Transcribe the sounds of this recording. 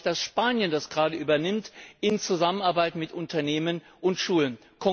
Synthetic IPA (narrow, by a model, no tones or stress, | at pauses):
d̥asʃpaːnjəndasɡ̥ʁaːdəʔyːbɐnɪmtʔɪnt͡suzamənaɐbaɪtmɪtʔʊntɐneːmən | ʔʊntʃuːlən | kʰɔ